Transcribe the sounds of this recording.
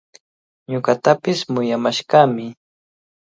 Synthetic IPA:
ɲʊɢat̪apɪsmʊjamaʃɢaːmɪ

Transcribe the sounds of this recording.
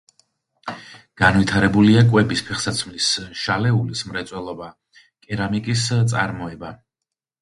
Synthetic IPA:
ɡ̥anvit̪ʰaɾɛbuliakʼwɛbispʰɛχsat̪sʰmlisʃalɛulismɾɛt̪sʼwɛlˠɔba | kʼɛɾamikʼist̪sʼa̰ɾmɔɛba

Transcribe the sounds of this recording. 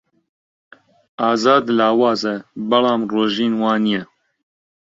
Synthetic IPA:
aːzaːd̪laːwɑːzɛbɐlɑːmroːʒiːnwɑːnijɛ

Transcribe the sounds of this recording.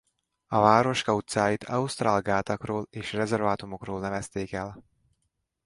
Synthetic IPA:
ɒvaːɾo̞ʃkɒut̪saːjit̪ʰɒ̰ust̪raːlɡaːt̪ɒkroːleːʃrɛzɛrvaːt̪umo̞kroːlnɛvɛst̪eːkɛl

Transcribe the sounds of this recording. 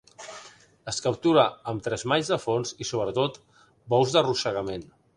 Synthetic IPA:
əskəp̚t̪uɾəəmt̪ɾɛzmaɲzðəfonzisoβ̞ɾət̪ot̪ | bɔwzðəruʃəɣəmen

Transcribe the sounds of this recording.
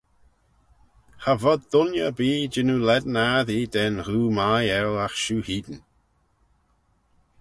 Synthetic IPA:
havɔd̪dʊnjə̰biːd͡ʒɪnulɛd̪ənaðiːd̪ɛnɾuːmajɛlaxʃuːhiːd̪ən

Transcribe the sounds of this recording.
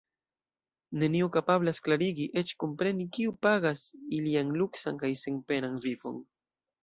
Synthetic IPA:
neniukapaβlasklaɾiɡiʔet͡ʃkompɾenikiwpaɣasiljaŋluksaŋkajseŋpenaŋbipo̰ŋ

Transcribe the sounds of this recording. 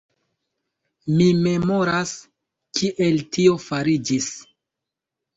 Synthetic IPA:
mime̞mo̞ɾas | kʰiʔe̞ltio̞faɾid͡ʒis

